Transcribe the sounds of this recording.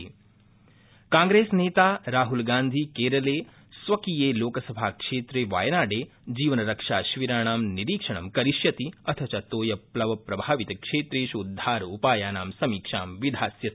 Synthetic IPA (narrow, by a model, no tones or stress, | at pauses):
kaːŋɡɾeːsneːt̪aːɾaːɦulɡaːnd̪ʱikeːɾɐleː | sʋɐkiːjeːloːkɐsɐbʱaːkʂeːt̪ɾeːʋa̰ːjnaːɖeː | d͡ʒiːʋɐnɐɾɐkʂaːʃʋiɾaːɳaːmniɾiːkʂɐɳɐmkɐɾiʃjɐt̪iɐt̪ʰɐt͡ʃɐt̪oːjɐplɐʋɐpɾɐbʱaːʋit̪ɐkʂeːt̪ɾeːʃud̪ʱːaːɾupaːjaːnaːmsɐmiːkʂaːmʋid̪ʱaːsjɐt̪